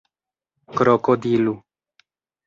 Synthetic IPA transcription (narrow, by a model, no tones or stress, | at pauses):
kɾɔkɔd̪ilu